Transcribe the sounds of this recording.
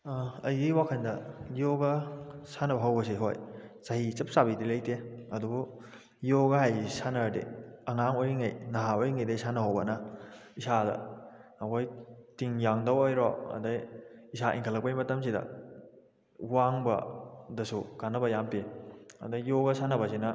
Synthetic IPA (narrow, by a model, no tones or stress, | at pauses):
ɐjɡiwakʰɐndɐjoɡɐsanɐbɐɦɐwbɐs̬iɦo̰jsɐhit͡ʃɐp̚sabitilɐjteɐdubu | joɡɐɦajisanɐdḛɐŋaŋojɾiŋɐjnɐɦaojiŋɐjdɐisanɐɦɐwbɐnɐisadɐ̰ɐkʰojtiŋjaŋdɐwojɾoɐ̰dɐjisaʔḭŋkʰəlːɐk̚pɐjmɐtɐms̬idɐ̰ | waŋbɐ̰dɐsukanːɐbɐjampeɐ̰dɐjoɡɐsanɐbɐsinɐ